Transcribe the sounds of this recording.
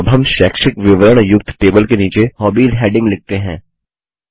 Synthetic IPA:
bɦɐmʃɛːkʃɪkʋɪʋəɾəɳ̃jʊk̚t̪ʰʈeːbəlkeniːt͡ʃehɔːbiːd̪ɦɛːɖɪ̃ŋɡlɪk̚t̪eɦɛ̃ː

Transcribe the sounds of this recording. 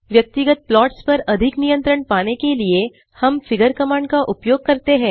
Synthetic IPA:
ʋjɐk̚t̪ɪɡət̪̚plɔːʈspɐɾɐd̪ʱɪknijə̃nt̪ɾəɳpaːnekelie | hɐmfɪɡəɾkɐmãːɳɖkaʔʊpjoːɡ̚kɐɾt̪eɦɛ̃ː

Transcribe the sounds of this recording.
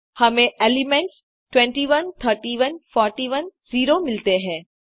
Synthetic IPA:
hɐmẽʔeːlɪmɛ̃ɳʈs | ʈwɛ̃ːɳʈiʋənt̪ʰəɾʈiʋənfɔːɾʈiʋənziːɾomɪlt̪eɦɛ̃ː

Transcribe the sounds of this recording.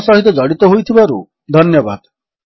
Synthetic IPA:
sɔɦit̪ɔd͡ʒɔɽit̪ɔɦojt̪ʰibaɾṵ | d̪ʱɔnjɔbad̪

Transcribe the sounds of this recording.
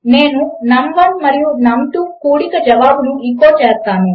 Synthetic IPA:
neːnunɐmʋɐnmɐɾijunɐmʈukuːɽikɐd͡ʒɐʋaːbunuikːoːt͡ʃeːst̪aːnu

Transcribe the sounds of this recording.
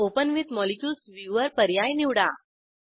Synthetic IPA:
opənʋit̪mɔlikjuːsʋiʋəɾpəɾjajniʋɽa

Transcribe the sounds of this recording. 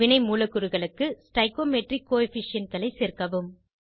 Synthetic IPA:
ɪnɐɪmuːlɐkːɯɾɯɣɐɭɯkːɯsʈɐɪkoːmɛʈrɪkːoːɛfɪʂɪɐnkɐɭɐɪseːrkɐʋɯm

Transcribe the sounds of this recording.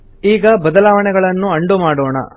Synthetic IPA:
iːɡɐbɐd̪ɐlaːʋɐɳɛɡɐɭɐnːuɐɳɖumaːɽoːɳɐ̰

